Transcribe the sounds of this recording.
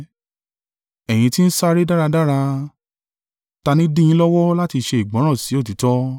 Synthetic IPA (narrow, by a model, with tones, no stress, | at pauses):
ɛ˨j̃ĩ˧ti˦n̩˦sa˦ɾe˦da˦ɾa˧da˦ɾa˧ | ta˧nĩ˦dĩ˦jĩ˦lɔ˦wɔ˦la˦ti˧ʃe˧i˨ɡ͡bɔ̃˨˦ɾ̃ɔ̃˦˨si˨˦o˦˨t̬i˨˦tɔ˦